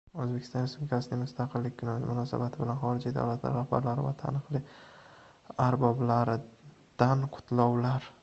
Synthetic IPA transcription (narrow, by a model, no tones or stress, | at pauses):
ɵzbe̞kʲʰɪst̪ɒnespublɪkʲʰasɪnɪŋmʊst̪ʰɑqʰɨlːɪk̚ʲkʰʊnmʊnɒsa̰bat̪ʰɪbɪlanχɒɾɪd͡ʒid̪a̰wlat̪la̰ɾːahba̰ɾlaɾɪva̰t̪ʰa̰nɨqlɪ | aɾbɒblaɾɪ | d̪̥anqʰʊ̥t̪ʰlɒwlaɾ